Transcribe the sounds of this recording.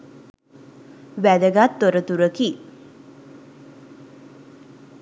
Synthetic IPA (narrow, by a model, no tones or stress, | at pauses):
ʋæd̪əɡat̪ːoɾət̪uɾəki